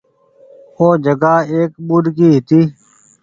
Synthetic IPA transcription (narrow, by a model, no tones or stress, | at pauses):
oːd͡ʒəɡaːeːkbuːɖkiːɦɪt̪iː